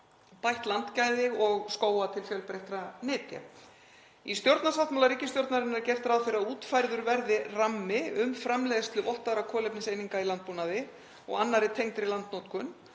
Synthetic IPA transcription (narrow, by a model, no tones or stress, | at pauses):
pajht̪lant̪caːjðɪɣɔɣskoːwat̪ʰɪlfjœlpɾejht̪ɾanɪːt̪ja̰ | ist̪jowɾt̪nasawht̪mawlaɾiːcɪst̪jowɾt̪naɾɪnɛɾcɛr̥t̪ɾawθfɪɾauːt̪fajɾðʏɾvɛɾðɪramːɪʏmfɾamlɛðɪst̪lʏvɔht̪aðɾakʰɔːlɛjpnɪsejniŋkailant̪̚puːnaðɪ | ɔ̰ɣanːaɾɪt̪ʰejŋt̪ɾɪlant̪nowt̪kʰʏn